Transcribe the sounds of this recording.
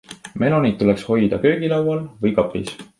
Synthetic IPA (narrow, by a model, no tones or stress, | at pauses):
me̞no̞nit̪t̪ːule̞ksho̞jd̪̥ɑkø̞ːɡ̥ilɑwɑlvɯjkɑpːˑḭs